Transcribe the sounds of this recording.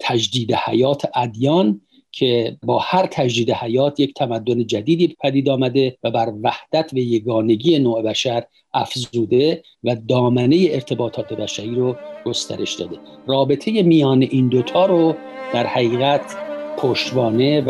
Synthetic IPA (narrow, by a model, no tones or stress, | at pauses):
t̪ʰæd͡ʒd̪iːd̪ehæ̰jɒːt̪ʰeʔæd̪jɒːn | kʰe̞bɒːhæɾt̪ʰæd͡ʒd̪iːd̪ehæjɒːt̪ʰje̞kct̪ʰæmæd̪ːo̞ne̞d͡ʒæd̪iːd̪iːbepʰæd̪iːd̪ɒːmæd̪evæbæɾvæhd̪̥æt̪ʰbæjeɡɒːne̞ɡije̞noːebæʃæɾ | ʔæfzuːd̪e̞ | væd̪ɒːmæne̞je̞eɾt̪ʰe̞bɒːt̪ʰɒːt̪ʰe̞bæʃæɾiːɾoɡ̥ost̪ʰæ̰ɾʔe̞ʃd̪ɒ̰ːd̪e̞rɒːbe̞t̪ʰe̞je̞mijɒːne̞ʔind̪ot̪ʰɒːɾod̪̥æɾhæɣiːɣæt̪pʰoʃt̪bɒːne̞